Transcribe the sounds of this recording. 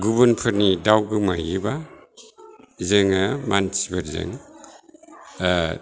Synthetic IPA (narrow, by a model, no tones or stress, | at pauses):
ɡubunpʰɯɾnidawɡɯmajiba | zeŋamansibaɾzḛŋ